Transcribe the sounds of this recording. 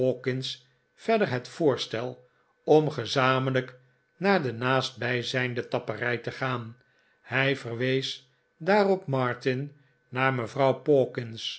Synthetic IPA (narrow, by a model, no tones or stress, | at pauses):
okɪns | fɛɹdəɹɦɛtfʊːɹstɛlˠ | ɔmχəzaːmələk | naːɹdənaːst̚bɛjzɛjndətɑpərɛjtəχaːn | hɛjvərʋejs | daːrɔpmɑɹtɪn | naːɹməvrɑwpoːkɪns